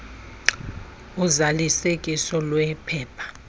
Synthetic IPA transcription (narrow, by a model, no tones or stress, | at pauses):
uzalisekʼisɔlwɛpʰɛːpʰḁ